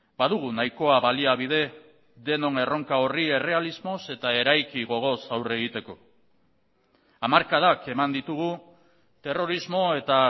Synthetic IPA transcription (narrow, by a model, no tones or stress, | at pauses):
baðuɣ̞unajko̞aβaliaβið̞e̞ | d̪e̞no̞ŋe̞ro̞ŋkao̞rie̞re̞alizmo̞se̞t̪ae̞ɾajkiɣo̞ɣ̞o̞sawre̞ɣit̪e̞ko̞ | amaɾkað̞ake̞mand̪it̪uɣ̞u | t̪e̞ro̞ɾizmo̞e̞t̪a